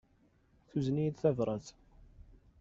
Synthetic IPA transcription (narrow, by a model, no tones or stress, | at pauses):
θuznijd̪θævɾˤəθ